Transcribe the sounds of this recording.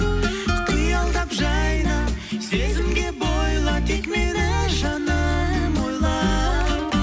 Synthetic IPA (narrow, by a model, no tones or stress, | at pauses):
kʲijɑlˠd̪ɑpʒɑjɾɑsezɪmɡ̪ʲe̞bojlˠɑt̪ekmeɾæʒɑnɑmojlˠɑ